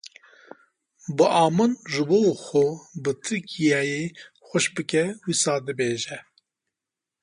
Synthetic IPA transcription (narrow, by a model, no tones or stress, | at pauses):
bɨʔɑːmɨnʒɨboːxʷobɨt̪ʰɨɾkʰijɛje | xʷɐʃbɨkɛwisɑːd̪ɨbeːʒɛ